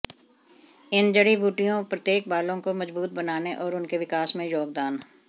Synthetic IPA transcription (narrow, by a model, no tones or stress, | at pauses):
ɪnd͡ʒɐɽibʱuːʈijõpɾɐt̪jeːk̚baːlõkomɐzbuːt̪̚bɐnaːneʔɔːɾʊnkeʋɪkaːsmẽjoːɡ̚d̪aːn